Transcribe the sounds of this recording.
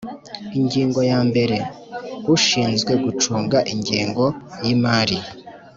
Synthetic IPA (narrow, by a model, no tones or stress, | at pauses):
iɲɟiːŋɡo̞jaːmbe̞ɾe̞ | uʃiːnzɡwe̞ɡut͡ʃuːŋɡaʔiɲɡiːŋɡo̞jimaːɾi